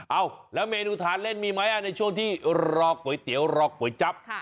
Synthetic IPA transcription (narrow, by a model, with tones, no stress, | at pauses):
ʔa˧˩wlɛː˦˥wmeː˧nuː˧t̪ʰaː˨˦nle˥˩nmiː˧ma˦˥jʔa˧˩na˧jt͡ɕʰu˥˩əŋt̪ʰiː˥˩ɾɔː˧k̚ːu˩˦jt̪i˨˩˦əwɾɔː˧k̚ːu˨˩˦əjt͡ɕa˦˥p̚ʰ